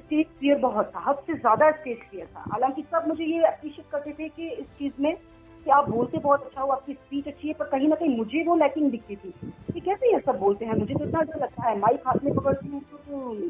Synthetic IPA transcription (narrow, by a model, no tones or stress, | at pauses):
ɪsʈeːskijəɾbɐɦʊt̪ʰːaɦɐbsezjaːd̪aɪspeːskiat̪ʰa̰ɦa̰ːlãːŋkisɐbmʊd͡ʒʱejeɐpɾiːʃet̪̚kɐɾt̪et̪ʰekiɪst͡ʃiːzmẽ | kiaːp̚boːlt̪ebɔɦɔt̪ɐtːʃʰaɦoaːp̚kispiːt͡ʃɐtːʃʰiɦɛpɐɾkɐɦĩnɐkɐɦĩmʊd͡ʒʱeʋolɛːkɪ̃ŋɡd̪ɪkʰt̪it̪ʰiːkekɛːsejɐsɐbːoːlt̪eɦɛ̃mʊd͡ʒʱet̪oɪt̪nad͡ʒolɐɡ̚t̪aɦɛmaːikʰaːt̪mẽbɐɡəɽt̪iũt̪ot̪o